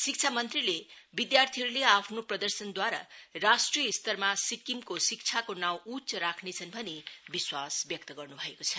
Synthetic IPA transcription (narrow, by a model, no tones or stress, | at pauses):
sik̚t͡sʰamʌnt̪rilebid̪jart̪ʰiɦʌɾuleapʰnoprʌd̪ʌrsʌnd̪waɾa̰rasʈrijʌist̪ʌrmasikimkosik̚t͡sʰakonaw̃ut͡sʌɾakʰnet͡sʰʌnbʱʌnebiswasbjʌk̚t̪ʌɡʌrnubʱʌekot͡sʰʌ